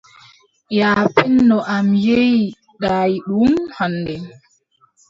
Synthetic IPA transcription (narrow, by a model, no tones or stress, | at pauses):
jaːpɛnːɔʔamjej | ɗaːjiɗumhanːdɛ